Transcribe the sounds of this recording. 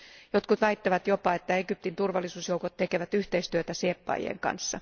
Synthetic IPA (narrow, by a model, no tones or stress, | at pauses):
jot̪kut̪ʋæit̪ːeʋæt̪jopɑet̪ːæeɡyp̚t̪int̪urʋɑlːisuːsjoukot̪t̪ekeʋæt̪yht̪eist̪yøt̪æseːpːɑ̰j̰ḛŋkɑ̰nsːɑ